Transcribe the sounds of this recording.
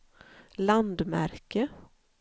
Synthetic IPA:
land̪mæ̰ɾkə

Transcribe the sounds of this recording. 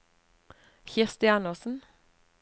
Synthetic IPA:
çɪʁst̪ɪɑnəʁsn̩

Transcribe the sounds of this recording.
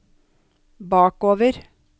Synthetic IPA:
bɑːkoːʋəɾ

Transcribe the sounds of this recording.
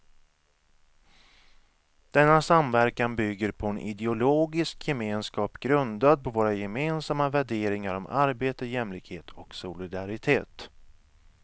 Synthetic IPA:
d̪̥ɛnːasamvæɾkanbʏɡːəɾpʰɔɛnʔɪ̰d̪ɛʊloːɡɪskjɛmeːnskɑːpɡɾɵnd̪ad̪̚pʰɔvoːɾajɛmeːnsamːavæɖeːɾɪŋaɾɔmaɾbeːt̪əjɛmlɪkheːt̪ʰɔksʊlɪd̪aɾɪt̪ʰḛːt̪

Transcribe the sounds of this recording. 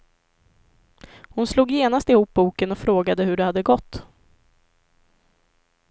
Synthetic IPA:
hʊnsluːɡjeːnast̪ɪhuːp̚buːkənɔfɾoːɡad̪əhɵɖɛhad̪ːəɡɔt̪ː

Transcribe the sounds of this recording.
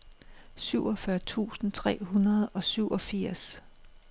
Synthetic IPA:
syʊ̰ɒ̽fɶɐt͡sʰṵːsn̩t͡sʰʁɛ̰ːɦunɐð̩ˠɒ̽syʊ̰ʔɒ̽fiɐ̰s

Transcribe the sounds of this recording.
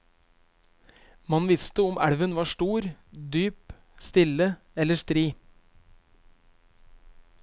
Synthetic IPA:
mɑnʋɪst̪əʊmæɽʋənʋɑːʃʈuːɾd̪yːp | st̪ɪlə | ɛləst̪ɾiː

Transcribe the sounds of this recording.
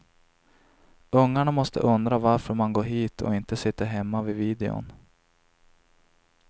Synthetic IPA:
ɵŋːaɳamɔst̪ʰə̰ʔɵnd̪ɾavaɾfœɾmanɡoːɾɦiːt̪ʰɔ̰ɪnt̪əsɪt̪ːaɦɛmːavɪviːd̪ɛʊ̰n

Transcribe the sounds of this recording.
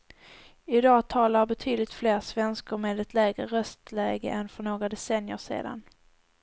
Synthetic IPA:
ɪd̪ɑːt̪ʰɑːlaɾbɛt̪ʰyːd̪lɪkt̪fleːɾsvɛnskəɾmeːd̪ɛt̪ʰlɛːɡɾəɾœst̪lɛːɡə̰ʔɛnfœɳoːɡad̪ɛsɛnjəʂḛːd̪a̰n

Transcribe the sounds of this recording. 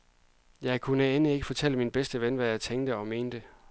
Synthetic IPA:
jɑ̈ɪkʰunəenəe̝ɡ̥əfɒ̽t͡sʰel̰əminb̥esd̥əʋenʋæjɑ̈ɪt͡sʰeŋ̰d̥əɒ̽me̝ːnd̥ə

